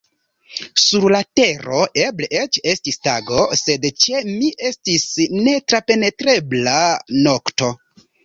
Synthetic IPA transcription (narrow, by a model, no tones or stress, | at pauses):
suɾlate̞ɾo̞ʔebleʔet͡ʃe̞stistaɡo̞se̞dt͡ʃe̞miʔe̞stisne̞tɾape̞ne̞tɾe̞blano̞kto̞